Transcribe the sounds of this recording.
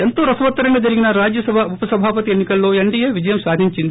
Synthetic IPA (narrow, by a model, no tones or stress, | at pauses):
ent̪oːɾɐsɐʋɐt̪ːɐɾɐŋɡɐd͡ʒ̪ɐɾiɡinɐɾaːd͡ʒjɐsɐbʱɐupɐsɐbʱaːpɐt̪ienːikɐlːoːeɳɖijeʋid͡ʒɐjɐmsaːd̪ʱiɲt͡ʃind̪i